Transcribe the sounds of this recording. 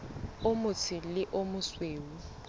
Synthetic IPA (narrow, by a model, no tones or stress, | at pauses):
ʊmʊt͡sʰɪlɪʔomʊsweːwu